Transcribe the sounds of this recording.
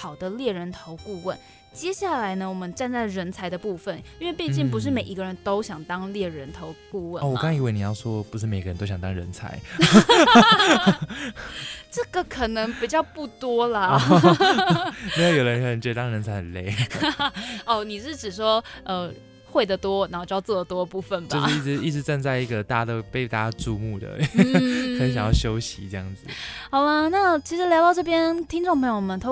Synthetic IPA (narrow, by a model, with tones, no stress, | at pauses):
xɑ˨˩ʊd̪ə˦ljɛ˥˩ɻə˧˦˥nt̪ʰo˧˥ʊku˥˧wə˥˩n | t͡ɕjɛ˥ɕja˥˩la˧˥ɪnə˧wɔ˨˩mə˦nʈ͡ʂa˥˧nt͡sa˥˩ɪɻə˧˥nt͡sʰa˧˥ɪd̪ə˧pu˥˧fə˨˩ni˥nwe˥˧ɪpjɛ˥˧t͡ɕi˥˩ŋp̬u˧˥ʂ̬ɻ̩˥˩me˨˩ɪi˧˥ɡə˧ɻə˧˦nt̪o˥ʊɕjɑ˨˩ŋt̪ɑ˥ŋljɛ˥˩ɻə˧˦˥nt̪ʰo˧˥ʊku˥˧wə˥˩˨wɔ˨ka˥˧i˧˥we˥˩ni˨˩jɑ˥˩ʊʂwɔ˥pu˧˥ʂɻ̩˥˩m˨˩ɪɡə˦ɻə˧˦nt̪o˥ʊɕɑ˨ŋt̪ɑ˥ŋɻə̰˧˦nt͡sʰa̰˧˥˦ɪ | ʈ͡ʂɤ˥˩ɡə˨kʰə˨˩nɤ˧˥ŋpi˨˩t͡ɕjɑ˥˧ʊpu˥˩t̪wɔ˥lə˨ | i˧˥wjo˨˩ʊə˧ə˧n˥˩ə˨˧nt͡ɕɛ˧˥˩ɑ˥ŋɻə˧˥nt͡sʰa˧ɪhə˨˩nle˥˧ɪ | ɔ˥˩ni˨˩ʂɻ̩˥˩ʈ͡ʂɻ̩˨˩ʂ̬wɔ˥ə˧ | xwe˥˩d̪ə˩t̪wɔ˥na˨˧˥xo˥˧˩t͡ɕo˥˧˥t͡sɔ˥˩lə˨˩t̪wɔ˥ə˨pu˥˧fə˨˩nbjao˧ʂɻ̩˥˧i˥˩ʈ͡ʂɻ̩˧˥i˥˩ʈ͡ʂɻ̩˧˥ʈ͡ʂə˥˧ŋt͡sa˥˧ɪi˧˥ɡə˨t̪a˥˧d̪ə˩pe˥˩ɪt̪a˥˧əʈ͡ʂu˥˧mu˥˧˩d̪ə̰˩ | xə˧˦nɕjɑ˨ŋjɑ˥˩ʊɕjo˥ʊɕḭ˧˥ʈ͡ʂɤ˥˩jɑ̰˥˩ŋd͡z̩˨˩xɑ˨˩ʊlə˧na˥˩t͡ɕʰi˧˥ʂɻ̩˧˥ljɑ˧ʊɑ˥˧ʊʈ͡ʂɤ˥˩p̬jɛ˥nt̪ʰi˥ŋʈ͡ʂo˥˩ŋpʰɤ˧˥ŋjo˨˩mə˨nt̪ʰo˥